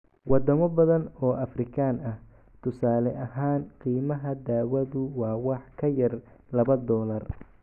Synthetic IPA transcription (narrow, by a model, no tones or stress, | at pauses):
wɑd̪ɐmɐbɐðɐnɔːʔɐfrɪkʰaːnɐh | t̪ʰʊsaːlɛʔɐɦaːnqiːmɐɦɐd̪aːwɐðʊwɑːwɑħkʰɐjɐr | lɐβɐd̪ɔːlɐr